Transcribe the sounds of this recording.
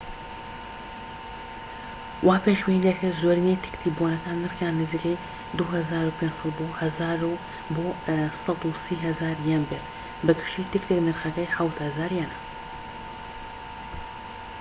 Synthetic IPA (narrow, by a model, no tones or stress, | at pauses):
wʔaːpenʒwinɛkʰɐzoɾinejt̪ʰɨ̥kt̪ʰiːbuonɐk̪ʰaːnɨɾxjaːnːɨziːkɛj | d̪uɦɐzaːɾupʰeːnsˤɑt̪boːhɐzaːɾu | bosɑd̪usiːɦɐzaːɾjɛnbeːt̪ | bɨɡ̪ɨ̥ʃt̪iːt̪ɨkt̪ʰiknɨɾxɐkɛjħawt̪hɐzaːɾjɛnɐ